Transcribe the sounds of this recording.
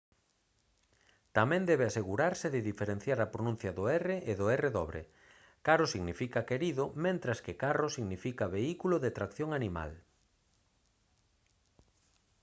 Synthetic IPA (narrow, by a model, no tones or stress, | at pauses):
t̪amɛ̃nd̪ɛβɪaseɣuɾaɾsɪðɪðifeɾen̟θjaɾɐpɾonũn̟θjɐðʊɛreʔeðʊereðɔβɾḛ | kaɾʊsiɣnifikakeɾiðʊmẽnt̪ɾaskɪkarosiɣnifikɐβeikulʊðet̪ɾakθjoŋanima̰l